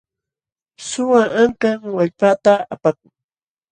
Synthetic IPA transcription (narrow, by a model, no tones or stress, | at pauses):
sʊwaʔaŋkaŋwaʎpat̪aapak̚ʊŋ